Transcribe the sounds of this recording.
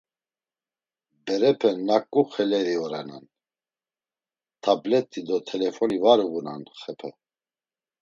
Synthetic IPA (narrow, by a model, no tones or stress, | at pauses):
bɛɾɛpʰɛnːakʼːuχɛlɛɾiɔɾɛna̰n | t̪ʰablɛt̪ʼːid̪ɔt̪ʰɛlɛfɔnivaɾuɣuna̰nχɛpʰɛ